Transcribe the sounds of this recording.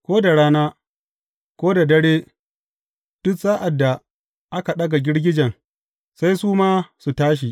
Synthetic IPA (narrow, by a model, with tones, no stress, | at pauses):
kʷoː˦da˨ɽaː˦naː˦ | kʷoː˦da˨dɐ˦ɽeː˦ | d̥ʊ˦ksaː˦ʔa˨dːa˨ | ʔa˦ka˨ɗɐ˦ɡa˨ɡʲɪ˦ɽɡʲɪ˦d͡ʒɐ˨ŋ | sa˦jsuː˦maː˦su˨taː˦ʃ̬i˨